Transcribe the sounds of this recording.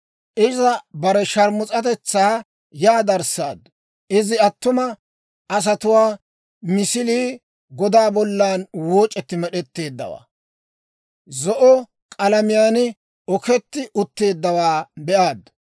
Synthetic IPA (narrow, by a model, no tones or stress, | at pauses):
ʔɪzɐbɐɾɛʃɐɾmʊt͡sʼɐt̪ɛt͡sːaː | jaːd̪ɐɾsa̰ːd̪ | ʔɪzɪɐt̪ːʊmɐ | ʔɐs̬ɐt̪ʊwaː | mɪsɪliː | ɡɔd̪aːbɔlːaːnwoːt͡ʃʼːɛt̪ːɪmɛɗɛt̪ːe̞ːd̪ːɐ̰wa̰ː | zɔʔɔ | kʼɐlɐmɪjaːnɪ | ɔkɛt̪ːɪʔʊt̪ːe̞ːd̪ːɐwaːbɛʔaːd̪